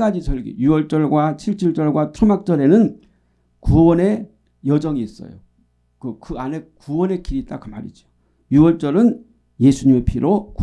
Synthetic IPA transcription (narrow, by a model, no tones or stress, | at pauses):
ad͡ʑisʰʌɭɡḭjuʌɭt͡ɕ͈ʌɭɡwat͡ɕʰiɭt͡ɕ͈ʰiɭt͡ɕ͈ʌɭɡwatʰɯmak̚t͡ɕ͈ʌɾe̞nɯn | kuwʌne̞ | jʌd͡ʑʌŋiːs͈ʌ̰jo̰ | kɯkɯane̞kuwʌne̞kʰiɾit͈akɯma̰ɾḭd͡ʑo | juwʌɭt͡ɕ͈ʌɾɯn | je̞sʰuɲimepʰiɾok